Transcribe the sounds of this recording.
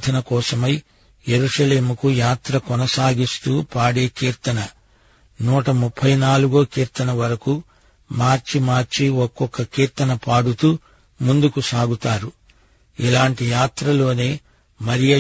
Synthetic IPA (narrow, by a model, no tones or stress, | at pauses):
d̪ʰʱɐnɐkɔːsɐmɐj | je̞ɾuʂɐle̞ːmukujaːt̪ɾɐkɔnɐsaːɡist̪uːpaːɽe̞ːkiːɾt̪ɐnɐ | nuːʈɐmupʰːɐjnaːluɡokiːɾt̪ɐnɐʋɐɾɐku | maːɾt͡ʃimaːɾt͡ʃiɔkːɔkːɐkiːɾt̪ɐnɐpaːɽut̪uː | mund̪ukusaːɡut̪aːɾu | ilaːɳʈijaːt̪ɾɐlo̞ːne̞ː | mɐɾijɐ